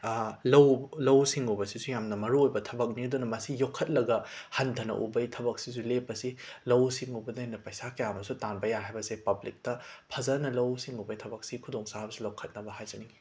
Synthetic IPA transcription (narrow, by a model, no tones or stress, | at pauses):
lɐwlɐwsiŋubɐsisujamnɐmɐɾuojbɐtʰɐbɐk̚nidunɐmɐsijokʰːɐt̚lɐɡɐhɐndʰʱɐnɐ̰ʔṵbɐjtʰɐbɐk̚sisulepːɐsilɐwsiŋubɐdɐanɐpɐjsakɐjamɐsutanbɐjaɦajbɐsepɐblik̚tɐpʰɐzɐnɐlɐwsiŋubɐjtʰɐbɐk̚sikʰudoŋsabɐsulokʰːɐt̚nɐbɐɦajzɐni